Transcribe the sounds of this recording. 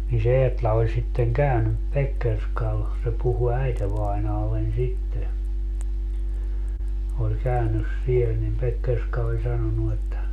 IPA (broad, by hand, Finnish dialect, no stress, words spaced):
ni se eːtlɑ olʲ sitːeŋ kæynyp pekːerskɑl se puhu æiteʋɑinɑːlːen sitːe olʲ kæynys siel nim pekːerskɑ olʲ sɑnonu etːæ